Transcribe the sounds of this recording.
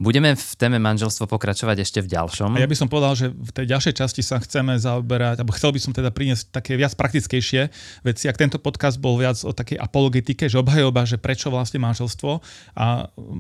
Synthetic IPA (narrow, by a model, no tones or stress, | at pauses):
buɟɛmɛft̪ɛːmɛmanʒɛlst̪ʋɔpɔkɾat͡ʃɔʋaɟɛʃcɛvɟa̰lʃɔmajabisɔmpɔʋɛd̪alʒɛft̪ɛjɟalʃɛjt͡ʃascisaxt͡sɛmɛzaɔbɛɾaɟalbɔxt͡sɛlbisɔmt̪ɛd̪apɾiɲɪɛsc̚t̪akɛːʋɪat͡spɾak̚t̪it͡skɛjʃɪɛʋɛt͡siak̚t̪ɛnt̪ɔpɔt̪kazd̪̚bɔlʋɪad͡zɔ̰t̪akɛjʔa̰pɔlɔɡɛt̪ikɛʒɛɔbɦajɔbaʒɛpɾɛt͡ʃɔʋlasɲɛmanʒɛlst̪ʋɔʔa